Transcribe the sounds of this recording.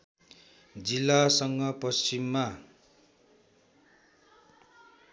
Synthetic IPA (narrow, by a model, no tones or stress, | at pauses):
d͡zilːasʌŋɡʌpʌst͡ʃimːa